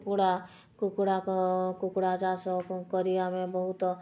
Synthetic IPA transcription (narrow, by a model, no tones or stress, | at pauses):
kuɽa | kukɽakkukɽad͡ʒasɔkəɾijamẽbəɦut̪